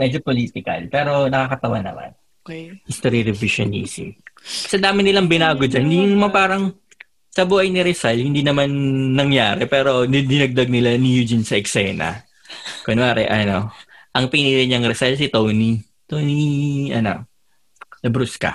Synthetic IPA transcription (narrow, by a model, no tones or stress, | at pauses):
mɛd͡ʒopoliːt̪ɪkɐ̰lpɛːɾo̞nɐkaːkɐt̪ɐwanːɐ̰ma̰n | hist̪oɾiɾɪviʃo̰nḭːsḭkɐ̥sɛd̪aːmɪnɪlaŋbɪnaːɡod͡ʒɐnhɪnd̪iɲjʊŋmɐpaːɾɐŋ | sɐbuːʔɐjnɪɾɛsalhɪnd̪inɐmanːɐŋjaːɾɛpɛːɾo̞nɪd̪ɪnɐɡ̚d̪ɐɡ̚nɪlanijud͡ʒɪnsɐʔɛksɛːnɐ̰ | konaːɾɛ̰ʔɐnoʔɐŋpɪniɾɪɲɐŋɾɛsalsɪt̪owni | t̪oniʔɐno̰ | lɐbɾuskɐ̰